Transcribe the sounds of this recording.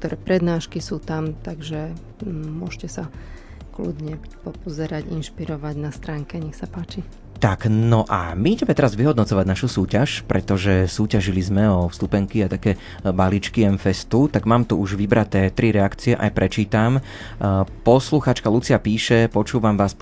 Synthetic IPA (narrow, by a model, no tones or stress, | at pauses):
k̚t̪ɔɾɛːpɾɛd̪naːʃkisuːt̪amt̪aɡʒɛ | mʊɔʃcɛsa | klṵd̪ɲɛpɔpɔzɛɾaɟinʃpiɾɔʋaɟnast̪ɾaːŋkɛɲɛxsapaːt͡ʃi | t̪aknɔʔa̰miiɟɛmɛt̪ɛɾazʋiɦɔd̪nɔt͡sɔʋaɟnaʃusuːcaʃpɾɛt̪ɔʒɛsuːcaʒilizmɛɔfst̪upɛŋkiat̪akɛː | balit͡ʃkiɛnfɛst̪ut̪aɡmaːmt̪uuʒʋibɾat̪ɛːt̪ɾiɾɛakt͡siɛʔajpɾɛt͡ʃiːt̪am | pɔsluxaːt͡ʃkalut͡siapiːʃɛpɔt͡ʃuːʋamʋaːs